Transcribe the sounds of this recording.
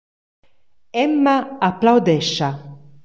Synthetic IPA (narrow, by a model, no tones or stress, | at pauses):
ɛmːaaplawd̪ɛʃa